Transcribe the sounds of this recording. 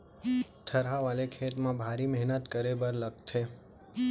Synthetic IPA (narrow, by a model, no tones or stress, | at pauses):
t̪ʰəɾɦaʋalekʰet̪mãbʱaɾimɛɦnət̪kəɾebəɾlək̚t̪ʰe